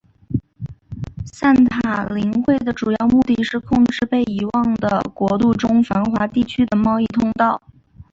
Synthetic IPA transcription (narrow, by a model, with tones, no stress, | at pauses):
sa˥˩nt̪ʰaa˨˩li˧˥ŋxwe˥˩ɪd̪ə˩ʈ͡ʂu˨˩jɑ˥˧ʊmu˥˧t̪i˥˩ʂɻ̩˥˧kʰʊ˥˧ŋʈ͡ʂɻ̩˥˧pe˥˩ɪi˧˥wɑ˥˩ŋd̪ə̰˩kwɔ˧˥t̪u˥˩ʈ͡ʂʊ˥ŋfa˧˥nxwa˧˥t̪i˥˩t͡ɕʰy˥d̪ə˨mɑ˥˧ʊi˥˧t̪ʰʊ˥˧ŋt̪ɑ˥˩ʊ